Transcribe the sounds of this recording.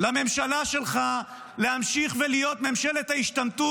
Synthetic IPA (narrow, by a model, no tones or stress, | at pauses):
lame̞mʃalaʃe̞lχa | le̞hamʃiχvelijo̞t̪memʃe̞let̪haiʃt̪amt̪u